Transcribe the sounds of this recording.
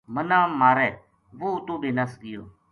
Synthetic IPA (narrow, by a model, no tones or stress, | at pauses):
mənãːmaːɾɛː | ʋoːʊt̪õːɓeːnəsɡɪjo̰ː